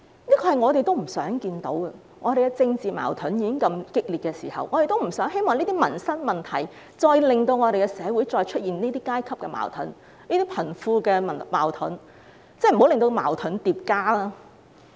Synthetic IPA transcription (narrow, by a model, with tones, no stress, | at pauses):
niː˥kʰɔː˧hɐ˨jŋɔː˨˧e˨jt̪o˥wm̩˨˩sœː˨˥ŋkiː˧nt̪o̰˨˥wkɐ˧ | ŋʔɔː˨˧t̪e˨jkɛ˧t͡sɪ˧ŋt͡siː˨ma̰ː˨˩wt̪ʰɵ˨˥njiː˨˧kɪ˥ŋkɐ˧mkɪ˥k̚li˨t̚kɛː˧siː˨˩hɐ̰˨wŋɔː˨˧e˨jt̪o˥wm̩˨˩sœː˨˥ŋɦe˥jmɔː˨ŋniː˥t̪i˥mɐ˨˩nsɐ˥n̚mɐ˨˩nt̪ʰɐ˨˩j | t͡sɔː˧jlɪ˨˩ŋt̪o˧wŋɔː˨˧ɾe˨jkɛ˧sɛː˨˧wu˨˥jt͡sɔː˧jt͡ʃʰɵ˥t̚jiː˨nniː˥t̪iː˥kaː˥jkʰɐ˥p̚kɛ˧ma̰ː˨˩wt̪ʰʊ̰˨˥n | niː˥t̪iː˥pʰɐ˨˩nfuː˧kɛː˧ɐ˨˩ma̰ː˨˩wt̪ʰʊ̰˨˥n | t͡sɛ˥˩m̩˨˩o˨˥wlɪ˨ŋt̪o˧ma̰ː˨˩wt̪ʰɵ˨˥nt̪iː˨p̚kaː˥laː˥